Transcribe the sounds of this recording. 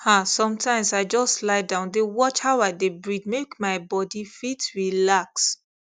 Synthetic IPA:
hasɔ̃mtʰãɪ̃msaɪd͡ʒɔstlaɪdãʊ̃ndewɔt͡ʃhaʊaɪdebɹid̚mekmaɪbɔdifitɹilaks

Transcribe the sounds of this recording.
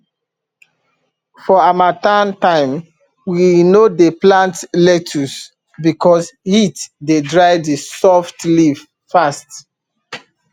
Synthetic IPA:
fɔamatãntãɪ̃m | winodeplãntlɛtʰus | bikɔshitdedɹaɪdisɔftlif | fast

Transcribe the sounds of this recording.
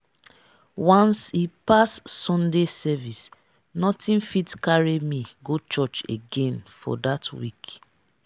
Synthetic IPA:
wãnsipasːɔ̃ndesɛvis | nɔtʰĩnfitkaɹimiɡot͡ʃɔt͡ʃḛɡẽnfɔ̰datwḭk

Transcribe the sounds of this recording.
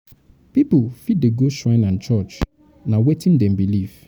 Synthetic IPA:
pipʊfideɡoʃɹãɪ̃nãnt͡ʃɔt͡ʃ | nãwetʰɪ̃ndɛ̃mbilif

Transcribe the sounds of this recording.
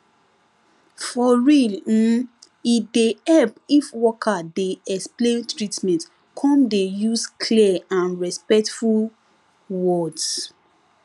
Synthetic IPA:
fɔɹil̩ | idehɛlpifwɔkʰadeɛksplẽntɹitmɛ̃nt | kʰɔ̃mdejuskʰliɛãnɹɛspɛk̚tful | wɔds

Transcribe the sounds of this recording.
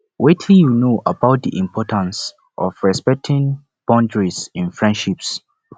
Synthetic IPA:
wetʰĩjunoʔabaʊt̚diʔĩmpʰɔtʰãns | ʔɔ̰fɹɛspɛk̚tʰĩn | b̥ãndɹisĩnfɹɛ̃ndʃips

